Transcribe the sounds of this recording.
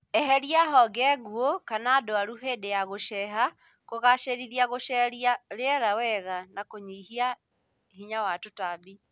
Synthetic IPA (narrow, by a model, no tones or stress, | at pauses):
ɛɦɛɾiaɦɔɡɛɣuokanaːdoaɾuɦedejaɣoʃɛɦa | koɣaʃeɾiðiaɣoʃɛɾiaɾeɛɾawɛɣanakoɲiɦia | hiɲawatotabi